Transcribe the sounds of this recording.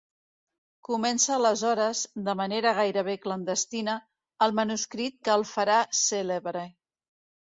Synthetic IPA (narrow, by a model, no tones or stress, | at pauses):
kumɛnsəːləzɔɾəzd̪əməneɾəɣ̞ajɾəβ̞eklənd̪əst̪inəː | lˠmənuskɾit̪̚kəːlˠfəɾaseleβɾə